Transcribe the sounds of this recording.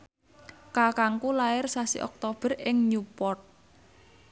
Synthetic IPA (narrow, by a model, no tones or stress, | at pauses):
kakaŋkulaɪrsasḭʔɔ̰k̚t̪ob̥ə̤rɪŋɲupɔrt̪̚